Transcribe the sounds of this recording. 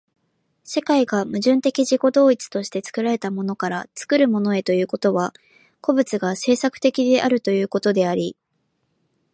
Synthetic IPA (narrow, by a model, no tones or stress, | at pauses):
sekaiɡamɯ̟ʑɨ̃nt̪e̞kʲiʑiko̞d̪o̞ːit͡sɨ̥t̪o̞ɕi̥t̪e̞t͡sɨ̥kɯ̟ɾaɾe̞t̪amo̞no̞kaɾat͡sɨ̥kɯ̟ɾɯ̟mo̞no̞e̞t̪o̞jɯ̟ːko̞t̪o̞βa | ko̞bɯ̟t͡sɨɡase̞ːsakɯ̟̥t̪e̞kʲid̪e̞ʔaɾɯ̟t̪o̞jɯ̟ːko̞t̪o̞d̪e̞aɾʲi